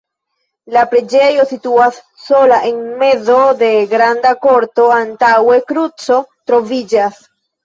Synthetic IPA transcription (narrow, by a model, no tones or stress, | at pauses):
lapɾe̞d͡ʒe̞jo̞situasː | o̞laʔe̞nme̞zo̞de̞ɡɾandako̞ɾto̞antawe̞kɾut͡so̞tɾo̞vid͡ʒas